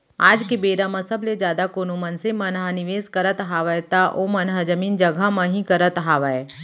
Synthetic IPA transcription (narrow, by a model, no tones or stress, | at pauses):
aːd͡ʒkebeːɾamɐ̃səbled͡ʒjaːd̪akoːnomɐnsemɐnɦanɪʋeːskɐɾət̪ɦaːʋəjt̪aʔoːmɐnɦad͡ʒɐmiːnd͡ʒɐɡʱamɐ̃ɦĩkɐɾət̪ɦaːʋae